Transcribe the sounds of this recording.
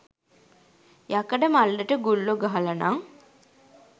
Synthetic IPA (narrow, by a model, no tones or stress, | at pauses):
jakəɖəmalːəʈəɡulːoɡaɦalana̰ŋ